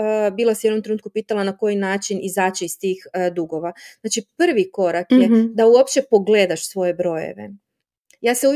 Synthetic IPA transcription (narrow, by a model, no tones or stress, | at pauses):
biːlˠasijed̪nomt̪ɾenut̪kupiːt̪alˠanako̞jinaːt͡ʃinizaːt͡ɕeist̪iːxd̪uɡo̞ʋaznaːt͡ʃipr̩ʋiko̞ɾakjjed̪auopt͡ʃe̞po̞ɡle̞ːd̪aʃsʋo̞je̞bɾo̞jḛʋḛ | jaːseu